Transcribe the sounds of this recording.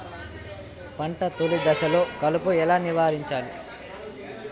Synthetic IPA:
pɐɳʈɐt̪olid̪ɐʃɐlo̞ːkɐlupuɛlaːniʋaːɾiɲt͡ʃaːlu

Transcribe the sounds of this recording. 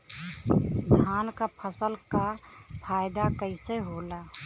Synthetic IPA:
d̪ʱjaːnkapʰəsəlkapʰaːjd̪akəɪseɦoːlaː

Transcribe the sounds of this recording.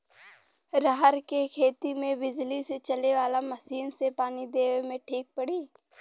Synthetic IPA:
ɾaɦəɾkekʰeːt̪imẽbɪd͡ʒliset͡ʃɐleʋaːlamɐsiːnsepaːnid̪eːʋmẽʈʰiːk̚pɐɽiː

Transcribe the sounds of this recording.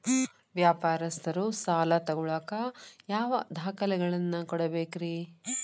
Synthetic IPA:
ʋjaːpaːɾɐst̪ɐɾusaːlɐt̪ɐɡuɭaːkɐjaːʋɐd̪ʱaːkɐlɛɡɐɭɐnːɐkɔɽɐbeːkɾiː

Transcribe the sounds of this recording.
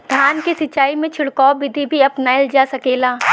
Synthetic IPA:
d̪ʱjaːnkesɪt͡ʃːaːimẽt͡ʃʰɪɽkɔːʋɪd̪ʱibʱiɐpnaɪld͡ʒasɐkeːlaː

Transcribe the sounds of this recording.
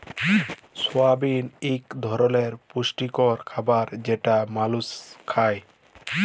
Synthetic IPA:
swabinikd̪ʱɔɾɔleɾpusʈikɔɾkʰabaɾd͡ʒeʈamaluskʰaj

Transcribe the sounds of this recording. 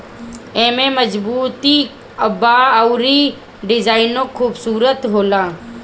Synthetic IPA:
ẽːmẽːməd͡ʒbuːt̪i | əbaːəʊɾiː | ɖɪzaːɪnõkʰuːbsuːɾət̪ɦoːlãː

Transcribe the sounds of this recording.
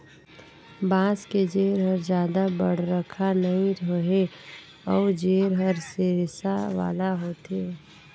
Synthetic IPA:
bãːsked͡ʒeːɾɦəɾd͡ʒjaːd̪abə̰ɽ̤ɾəkʰanəɦĩoɦe | ɔːɾd͡ʒeːɾɦəɾseɾsaʋa̰ːlaɦoːt̪eː

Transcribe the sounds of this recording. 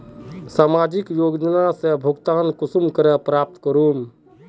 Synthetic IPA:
samad͡ʒikjoːɡd͡ʒənasebʱuɡt̪ankusumkəɾɛpɾap̚t̪kəɾum

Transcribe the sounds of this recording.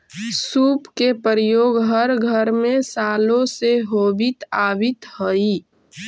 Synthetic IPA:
suːpkepəɾjoːɡɦəɾɡʱəɾmẽsaːlõseɦoːbɪt̪aːʋɪt̪hoi

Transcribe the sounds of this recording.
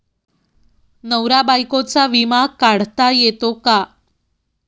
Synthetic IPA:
nəwɾabajkot͡saʋimakaɽ̤t̪ajet̪oka

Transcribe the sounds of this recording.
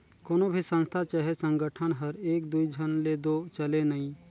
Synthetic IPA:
koːnobʱisə̃nst̪ʰat͡ʃəɦesə̃ŋɡəʈʰənɦɐɾeːk̚d̪uid͡ʒʱənled̪ot͡ʃɐlenɐĩ

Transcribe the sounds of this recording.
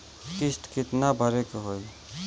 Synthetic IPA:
kɪsʈ̪kɪt̪nabʱəɾekɦoːi

